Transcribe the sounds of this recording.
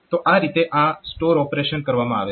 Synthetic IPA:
t̪oʔãːɾit̪eʔãsʈoːɾɔːpɾeʃənkəɾʋamãaːʋe

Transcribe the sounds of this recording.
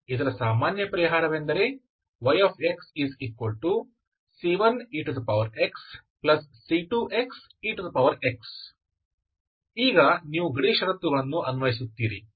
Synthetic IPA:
id̪ɐɾɐsaːmaːnjɐpɐɾiɦaːɾɐʋend̪ɐɾe | ʋɐjaːpʰeksiziːkʋɐlʈu | siʋɐniːʈud̪ɐpɐʋɐɾeksplɐsːiʈuʔeks | iːʈud̪ɐpɐʋɐɾeks | iːɡɐniːʋuɡɐɽiːʃɐɾɐt̪ːuɡɐɭɐnːuʔɐnuʋɐɦis̬ut̪ːiːɾi

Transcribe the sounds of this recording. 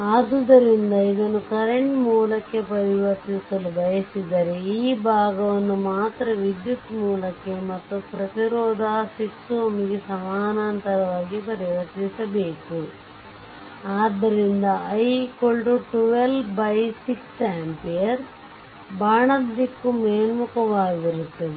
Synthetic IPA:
aːd̪d̪ɐɾind̪ɐid̪ɐnːukɐɾeɳʈmuːlɐkːe̞pɐɾiʋɐɾt̪isɐlubʱɐjɐsid̪ɐɾeiːbʱaːɡɐʋɐnːumaːt̪ɾɐʋid̪jut̪muːlɐkːe̞mɐt̪ːupɾɐt̪iɾɔːd̪ʱaːsiksuɐmiɡesɐmaːnaːnt̪ɐɾɐʋaːɡipɐɾiʋɐɾt̪isɐbe̞ːku | aːd̪ːɐɾind̪ɐɐjkoɭʈuʈuʋelbɐjsiksaːmpijɐɾ | baːɳɐd̪ːikːumeːnmukɐʋaːɡiɾut̪ːɐ

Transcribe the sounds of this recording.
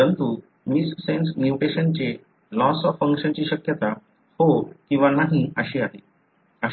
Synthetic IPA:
əənt̪u | misːensmjuʈeɕənt͡ɕe | lɔsɔfəŋkɕənt͡ɕiːɕəkjət̪a | hokĩw̃ʋanaɦiəɕiːaɦe | ə

